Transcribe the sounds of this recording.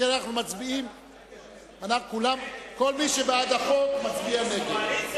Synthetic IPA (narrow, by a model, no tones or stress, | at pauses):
anaχnumat͡sbiim | anaχkulamko̞lmiʃebead̪aχokmat͡sbiane̞ɡed